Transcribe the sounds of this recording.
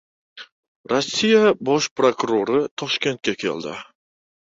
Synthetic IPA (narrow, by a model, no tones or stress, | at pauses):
ɾosːijabɒʃpɾokuɾoɾɪt̪ʰɒʃkʲe̞nt̪̚kʲakʲʰe̞̰ld̪ɪ̰